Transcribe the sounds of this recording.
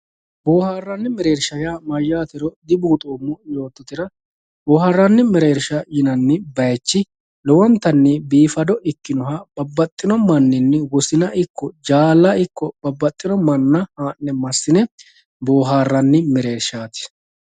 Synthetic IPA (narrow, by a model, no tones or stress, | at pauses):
boːhaːrːɐnːɪmɛɾeːɾʃɐjaːmɐjːaːt̪ɪɾɔd̪ɪbuːt̪ʼoːmːɔjo̞ːt̪ːɔt̪ɪɾɐ | boːharːɐnːɪmɛɾe̞ːɾʃɐjɪnɐnːɪbɐjɛt͡ʃːɪ | lɔwɔnt̪ːɐnːɪbiːfɐd̪ɔʔɪkːɪnɔɦɐb̥ɐbːɐt̪ʼːɪnɔmɐnːɪnːɛwɔsɪnɐʔɪkːɔd͡ʒaːlːɐɪkːɔb̥ɐbːɐt̪ʼːɪnɔmɐnːɐhaːnːɛmɐsːɪnɛ | boːɦaːrːɐnːɪmɪɾe̞ːɾʃaːt̪ɪ̥